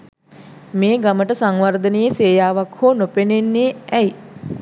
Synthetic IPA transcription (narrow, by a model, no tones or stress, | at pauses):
meːɡaməʈəsaŋʋard̪ənəjəseːjaːʋakhoːnopenenːeːɛj